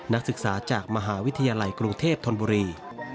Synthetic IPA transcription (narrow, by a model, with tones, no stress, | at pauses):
na˦˥k̚sɯ˨˩k̚saː˩˦t͡ɕaː˨˩k̚ma˧ɦaː˩˦wi˦˥t̪ʰa˧jaː˧la˧jkɾu˧ŋt̪ʰeː˥˩p̚t̪ʰo˧nbuː˧ɾiː˧